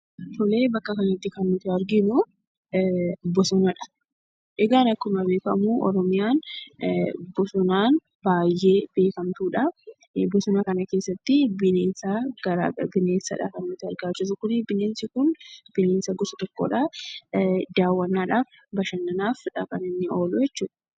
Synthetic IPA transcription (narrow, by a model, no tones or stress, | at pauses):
t̪ʰɔleːbɐkːɐkɐnt̪ːɪkɐnːʊt̪ɪɐɾɡɪnʊ | bɔsɔnɐᶑɐ̥ | ʔɛɡaːnɐkːʊmɐbe̞ːkɐmuʔɔɾɔmɪjaːn | bɔsɔnaːn | baːjːe̞ːb̥e̞ːkɐmt̪uːᶑɐ | bɔsɔnɐkɐnɐke̞ːsːɐt̪ːɪbɪneːnsaɡɐɾabɪneːsɐᶑɐ̰kɐnːʊt̪ɪɐɾɡaːt͡ʃːɪs̬ʊkʊnɪbɪneːnsɪkʊnb̥ɪneːnsɐɡɔsɐt̪ɔkːo̰ᶑa | d̪aːwːɐnːaːᶑaːf | bɐʃɐnːɐnaːfᶑɐkʼɐnɪnːɪoːlʊjɛt͡ʃːuːᶑɐ̥